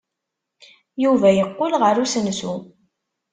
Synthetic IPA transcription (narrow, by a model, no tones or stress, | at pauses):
juvæjəqːʊlʁəɾusənsu